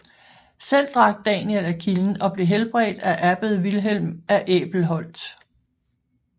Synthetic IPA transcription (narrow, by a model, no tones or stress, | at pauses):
sel̰d̥ʁɑ̈ɡ̥̚d̥ɛnelækʰiln̩ɒ̽b̥le̝ɦelb̥ʁɛ̰ːd̥æʔæb̥əð̞ˠʋilɦel̰mæʔḛːb̥l̩ɦɒ̽l̰d̥